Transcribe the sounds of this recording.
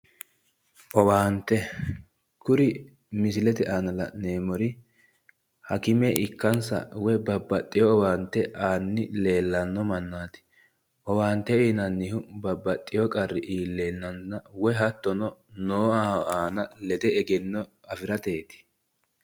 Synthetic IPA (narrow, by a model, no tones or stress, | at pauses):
ʔɔwaːnt̪ɛ | kʊɾɪ | mɪsɪlɛt̪ɛʔaːnɐlɐneːmɔɾɪ | hɐkɪmɛʔɪkːɐnsɐ̰wɛbɐbːɐt̪ʼːɪjɔːwaːnt̪ːɛʔaːnːɪle̞ːlːɐnːɔmɐnːaːt̪ɪ̥ | ʔɔwaːnt̪ːɛiːnɐnːɪhʊbɐbːɐt̪ʼːɪjɔkʼɐrːɪʔiːlːe̞ːnːɐnːɐwɛɦɐt̪ːɔnɔnoːaːaːnɐlɛd̪ɛɛɡɛnːɔ | ɐfɪɾɐt̪eːt̪ɪ̥